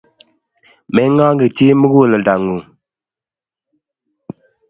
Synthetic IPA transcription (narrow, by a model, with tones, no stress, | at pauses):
mɛ˨˦ŋa˦ŋɡə˨ti˦mə˦ɡu˦˨lə˨da˨ŋu˨